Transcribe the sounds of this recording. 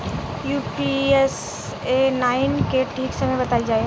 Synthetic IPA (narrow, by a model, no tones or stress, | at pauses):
juːpies | enaːɪnkeʈʰiːksəməjbɐt̪ald͡ʒaːe